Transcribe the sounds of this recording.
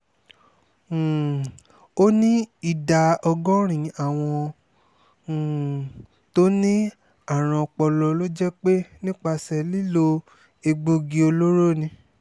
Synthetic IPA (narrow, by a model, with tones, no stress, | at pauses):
o˦nĩ˦i˦˨da˧ɔ˧ɡɔ̃˦ɾ̃ĩ˨a˦˨w̃ɔ̃˧˨ | to˦nĩ˦ | a˦˨ɾ̃ã˧k͡pɔ˧lɔ˧lo˦d͡ʒɛ˦k͡pe˦nĩ˦k͡pa˧sɛ˧li˦lo˧ | e˧ɡ͡bo˧ɡi˧o˧lo˦ɾo˦˨nĩ˧